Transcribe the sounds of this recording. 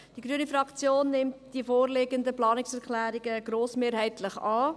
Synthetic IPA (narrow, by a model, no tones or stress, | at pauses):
d̥iɡɾyənifɾɑkt͡sjoːnːɪmtd̥iəfoːrleɡəndəplɑːnɪksɛɾklæːɾɪɡəɡ̥ɾoːsmeːɾɦɛɪtlɪχɑː